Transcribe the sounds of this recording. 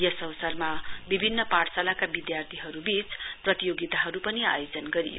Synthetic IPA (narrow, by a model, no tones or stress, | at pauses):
jʌsʌbsʌrmabibʱinːʌpaɽsalakabid̪jart̪ʰiɦʌɾubit͡sprʌt̪ijoɡit̪aɦʌɾupʌnia̰jod͡zʌnɡʌɾḭjo̰